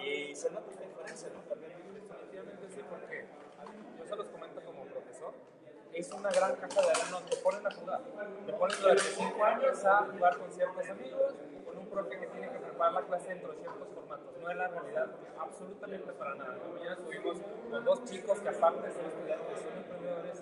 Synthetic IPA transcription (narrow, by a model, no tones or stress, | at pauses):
isenot̪aest̪aðifeɾensjanot̪aeneoesenit̪iβament̪esipo̞ɾke̞ | a | joselosko̞me̞nt̪oko̞mopɾo̞feso̞n | e̞sunaɣɾaŋkasaðealanot̪epo̞nenaxuɣa̰t̪epo̞nenaɾesiŋkoaɲesaxuɣaɾko̞nsje̞ɾt̪o̞samiɣo̞s | ko̞nũmpɾofjoke̞t̪je̞neke̞pɾepaɾaɾlaklaseent̪ɾosje̞ɾt̪o̞sfo̞ɾmat̪o̞sno̞e̞zlarealiðað | aβso̞lut̪amẽnt̪e̞paɾanaða̰nomaɲenat̪uβimo̞sod̪ost͡ʃiko̞skeapaɾt̪eseest̪oðjaesonempɾend̪e̞ðo̞ɾe̞s